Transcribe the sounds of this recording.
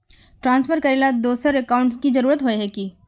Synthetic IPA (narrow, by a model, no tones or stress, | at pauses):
ʈɾãːnsfʰəɾkəɾelad̪oːsəɾɛkaʊ̃ɳʈskid͡ʒɐɾuːɾət̪ɦoeɦɛki